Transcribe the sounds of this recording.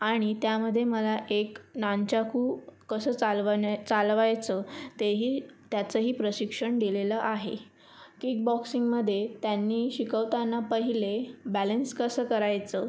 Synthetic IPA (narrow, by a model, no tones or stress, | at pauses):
aɽ̃it̪jaməd̪ʱːjeməlaʔeknant͡ɕakuːkəsəːt͡salʋt͡salʋajt͡sət̪eɦiːt̪jat͡səɦiːpɾəɕikʂəɳɡileləʔaɦḛ | kik̚bɔksiŋɡməd̪ʱːjet̪janːiːɕikəʋt̪anːapəɦilebælənskəsəːkəɾajt͡sə